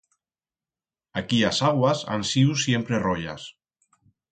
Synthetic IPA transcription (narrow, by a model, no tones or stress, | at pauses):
akiasaɣwasa̰nsiwsjempɾerɔʎa̰s